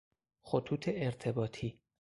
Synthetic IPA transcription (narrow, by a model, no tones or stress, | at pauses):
xot̪ʰuːt̪ʰeʔeɾt̪ʰe̞bɒːt̪ʰiː